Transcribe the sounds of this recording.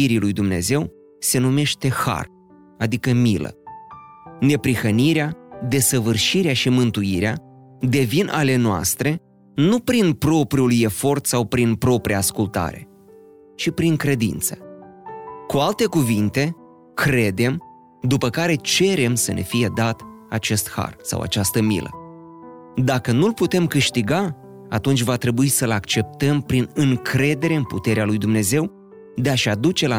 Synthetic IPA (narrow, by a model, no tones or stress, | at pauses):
iɾilujd̪umne̞̰ze̞w | se̞nume̞ʃt̪e̞xa̰r | ad̪ikəmilə̰ | ne̞pɾixəniɾead̪e̞səvɨrʃiɾeaʃimɨnt̪uiɾea | d̪e̞vinʔa̰le̞noa̰st̪ɾe̞ | nupɾinpɾo̞pɾiulje̞fo̞rt̪sawpɾinpɾo̞pɾiaːskult̪a̰ɾe̞̰ | t͡ʃipɾiŋkɾe̞d̪ḭnt̪sə̥ | kualt̪e̞kuvint̪e̞ | kɾe̞d̪e̞m | d̪upəkaɾe̞t͡ʃe̞ɾe̞msənʔe̞̰fije̞d̪at̪at͡ʃe̞st̪ha̰rsa̰wa̰t͡ʃast̪əmḭlə̰ | d̪akənulput̪e̞mkɨʃt̪iɡa | at̪unt͡ʃʲvat̪ɾe̞buisəlakt͡ʃe̞p̚t̪əmpɾinɨŋkɾe̞d̪e̞ɾe̞ɨnput̪e̞ɾealujd̪umne̞ze̞w | d̪e̞aʃad̪ut͡ʃe̞la